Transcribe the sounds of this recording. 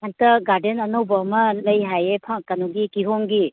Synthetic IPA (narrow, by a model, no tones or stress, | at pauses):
ant̪ɐɡaɾdenɐnowbɐmɐlɐjɦajepʰakanuɡikiɦoŋɡi